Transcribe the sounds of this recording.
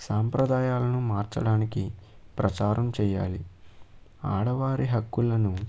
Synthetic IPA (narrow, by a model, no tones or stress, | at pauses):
saːmpɾɐd̪aːjaːlɐnumaːɾt͡ʃɐɽaːniki | pɾɐt͡ʃaːɾʔɐmt͡ʃɛːja̰ːli | aːɽɐʋaːɾiɦɐkːulɐnu